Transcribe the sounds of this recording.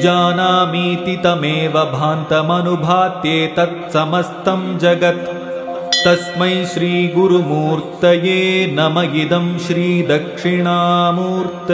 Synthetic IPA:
d͡ʒaːnaːmiːt̪it̪ɐmeːʋɐbʱaːnt̪ɐmɐnubʱaːt̪jeːt̪ɐt̪̚sɐmɐst̪ɐmd͡ʒɐɡɐt̪ | t̪ɐsmɐjʃɾiːɡuɾumuːɾt̪ɐjeːnɐmɐjid̪ɐmʃɾiːd̪ɐkʂiɳaːmuːɾt̪ɐ

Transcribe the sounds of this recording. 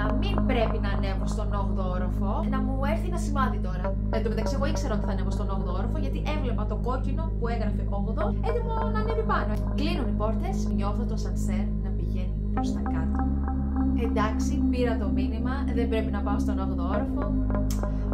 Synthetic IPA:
mimbɾe̞pinɐːne̞ɐpost̪o̞no̞ɣðooɾɐfonɐmue̞finɐsivɐðit̪o̞ɾɐ | ɐt̪umet̪ɐksieɣoikse̞ɾɐo̞t̪i̥θɐneɣost̪ono̞ɣðooɾɐfoʝɐt̪iʔe̞vle̞pɐt̪o̞ɡo̞cino̞pueɣɾɐfeʔo̞ɣðosed̪imo | nɐnevipɐno | klinunipo̞ɾt̪esɲo̞θot̪osɐnseɾnɐpiʝe̞nipɾo̞st̪ɐkɐt̪o | e̞nd̪ɐksipiɾɐt̪o̞minimɐ | ðe̞mbɾe̞pinɐpɐost̪o̞noɣðooɾɐfo̞

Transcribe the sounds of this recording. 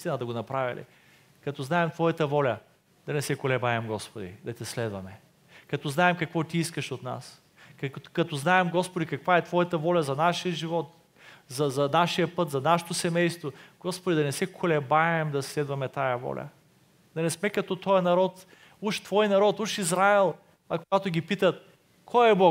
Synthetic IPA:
ist̪inəd̪ɐɡonɐpɾavʲḭlḭ | kɐt̪ɔznaɛmt̪vɔjɐt̪əvɔlʲɐ | d̪̥ɐnɛsɛkolɛbaɛmɡɔspod̪ḭd̪ɐt̪ɛslɛd̪vɐmɛ | kɐt̪ɔznaɛmkɐkvɔt̪iiskəʃot̪na̰s | kɐkɐt̪ɔznaɛmɡɔspod̪ikɐkvaɛt̪vɔjɐt̪ɐvɔlʲɐzɐnaʃijəʒivɔt̪ | zɐzɐnaʃijəpɤt̪zɐnaʃot̪osɛmɛjst̪voɡ̥ɔspod̪id̪ɐnɛsɛkʰolɛbaɛmd̪ɐslɛd̪vɐmɛt̪ajɐvɔ̰lʲɐ̰ | d̪ɐnɛsmɛkɐt̪ɔt̪ɔjɐnɐɾɔt̪ | uʃt̪v̥ɔjnɐɾɔt̪uʃizɾaɛlˠ | ɐkoɡat̪oɡʲipit̪ət̪ | kʰɔjɛbɔ

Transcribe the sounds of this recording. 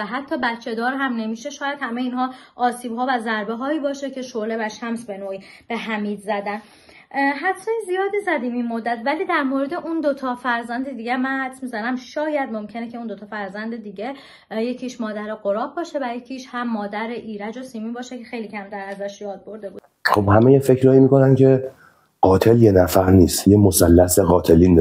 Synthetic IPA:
æɦæt̪ʰːɒːbæt̪t͡ʃʰːe̞d̪ɒːɾɦæmne̞miːʃe̞ʃɒːjæd̪̥hæmejiːnɦɒːʔɒːsiːbɦɒːvæzæɾbeɦɒːiːbɒːʃecʰe̞ʃole̞væʃæmsbe̞noːiː | b̥e̞ɦæmiːd̪zæd̪æn | ɦæt̪ʰːænzijɒːd̪izæd̪iːminmod̪ːæt̪væliːd̪æɾmoɾed̪e̞ʔund̪o̞t̪ʰɒːfæɾzænd̪ed̪iːɟemænhæd̪smizænæmʃɒːjæd̪mo̞mcʰe̞necʰe̞und̪o̞t̪ʰɒːfæɾzænd̪ed̪iːɟe | je̞cʰiʃmɒːd̪æɾeɢoɾɒːb̚bɒːʃevæjecʰiːʃhæmːɒːd̪æɾeʔiːɾæd͡ʒosiːmiːbɒːʃecʰexe̞jliːcʰæmt̪ʰæɾæzæʃjɒːd̪̚bo̞ɾd̪e̞buːd̪̥ | χobhæmejefe̞cɾɒːimiːko̞næncʰe̞ | ɢ̥ɒːt̪ʰe̞ljenæfæɾniːst̪jemosælːæseɣɒːt̪ʰe̞liːne

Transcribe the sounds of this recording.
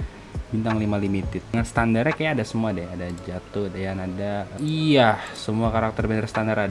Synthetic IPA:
bint̪aŋlimalimit̪ɪt̪̚ŋansə̥t̪andarɲakajaadasəmuadɛadad͡ʒat̪ʊdajanadaijasəmuakaɾak̚t̪ərbɛnɛrsə̥t̪andaɾad

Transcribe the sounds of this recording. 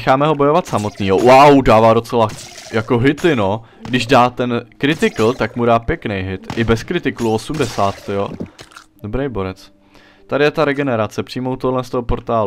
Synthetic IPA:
ɛxaːmɛɦo̞bo̞jo̞vat̪samo̞t̪niːɦo̞wawdaːvaːdo̞t͡sɛlajako̞ɦɪt̪ɪno̞ | ɡdɪʒdaːt̪ɛnkɾɪt̪ɪkl̩t̪akmudaːpjɛknejɦɪt̪ʔɪbɛskɾɪt̪ɪkluosumdɛsaːt̪ːɪjodobɾejbo̞ɾɛt͡s | t̪adɪjɛt̪aɾɛɡɛnɛɾat͡sɛpr̥iːjmowt̪oɦdlɛnst̪oɦopo̞ɾt̪aːlu

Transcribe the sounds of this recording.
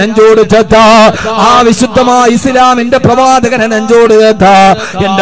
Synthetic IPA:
ɐɲd͡ʑoːɽud͡ʑɐd̪ʱːaːaːʋiɕud̪ʱːɐmaːislaːmindeprɐʋaːd̪ɐɣɐnɐnɐɲd͡ʑoːɽud͡ʑɐd̪ʱːa | end

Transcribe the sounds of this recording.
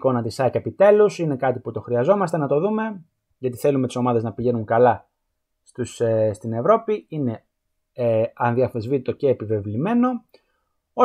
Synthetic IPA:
ko̞nɐt̪isɐcepit̪e̞lusine̞kɐt̪iput̪o̞xɾiɐzo̞mɐst̪e̞nɐt̪o̞ðume̞ | ʝɐt̪iθe̞lumet̪i̥so̞mɐðe̞znɐpiʝe̞nuŋkɐlɐ | st̪usst̪ine̞vɾo̞piine̞ | ɐnðiɐθezvit̪it̪o̞ce̞ːpive̞vlime̞no̞ | o

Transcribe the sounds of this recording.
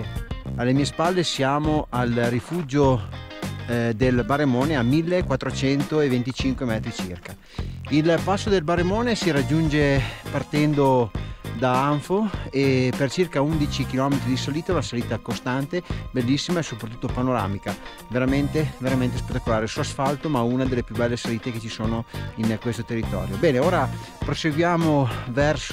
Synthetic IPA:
alːemiːespalːesjaːmoʔalrːifuːd͡ʒo | d̪elbaremoːneamilːekwat̪ːɾot͡ʃɛnt̪oevent̪it͡ʃiŋkwemɛt̪ɾit͡ʃḭrka | ilpasːod̪elbaremoːnesiɾad͡ʒːund͡ʒepart̪ɛnd̪od̪aaɱfoepert͡ʃirkaund̪it͡ʃik̟ilɔmet̪ɾid̪isaliːt̪aunasaliːt̪akost̪ant̪ebelːisːimaesopːɾat̪̬ːu̥t̪ːopanoɾa̰ːmika | veɾament̪eveɾament̪espet̪ːakolaːɾesuasfalt̪omaunad̪elːepjubɛlːesaliːt̪eket͡ʃisoːnoinkwest̪ot̪erːit̪ɔ̰ːɾjobɛːneoːɾa | pɾoseɡwjaːmovɛrs

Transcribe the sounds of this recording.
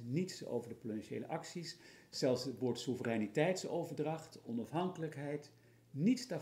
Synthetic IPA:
nitso̰wvəɹdəprotɛnʃḛjlə̰ʔɑksis | sɛlˠsətʋɔːɹtsuvərɛnitɛjtsowvəɹdrɑχtɔnɑfɦɑŋkələkɦɛjt | nitsta

